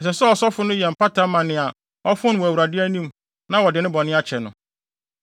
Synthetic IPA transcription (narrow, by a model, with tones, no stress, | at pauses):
ɛ˨sɛ˨sɛ˦ɔ˨sɔ˦fʊ˦nʊ̃˦jɛ˨m̩˨pa˦tʰa˦mã˨nɪ̃˨a˨ | ɔ˦fʊ̃˦n˨wɔ˨æ˨wu˨ɾa˨dɪ˦æ˦nĩ˦m | nã˦wɔ˨dɪ˨nɪ̃˦bɔ̃˨nɪ̃˦a˦t͡ɕʰɛ˨nʊ̃˨